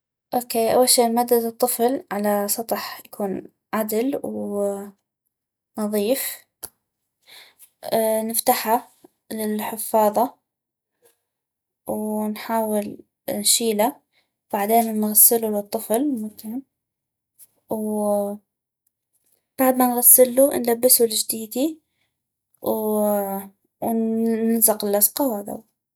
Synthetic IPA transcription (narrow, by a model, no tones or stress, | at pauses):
ʔoːkeːʔa̰wːalʃiːʔmad̪ad̪ɨt̪ˤːɨflʕalasˤɑt̪ˤħjakʰuːn | ʕad̪lw | nɑðˤiːf | nɪft̪aħa | lɪlħɪfːɑːðˤɑ | wnħaːwɪl | nʃiːla | b̥aʕd̪eːnnɣasːɪlulɨt̪ˤːɨflmʊt̪ɪm | w | b̥aʕd̪manɣasːɪlːunlabːɪsuld͡ʒd̪iːd̪i | w | wnɪnzɪqɪlʔasqɑwad̪a̰w